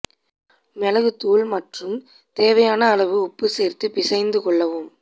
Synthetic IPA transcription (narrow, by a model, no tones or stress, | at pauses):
mɛlɐɣɯt̪uːlmɐʈrɯm | t̪eːʋɐjaːnɐːɭɐʋɯʊpːɯseːrt̪ɯpɪsɐɪnd̪ɯkɔɭːɐʋɯm